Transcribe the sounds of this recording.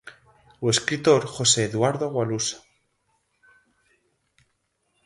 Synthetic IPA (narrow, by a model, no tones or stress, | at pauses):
ue̞skɾit̪o̞ɾxo̞se̞ːðwaɾðoɣwalusḁ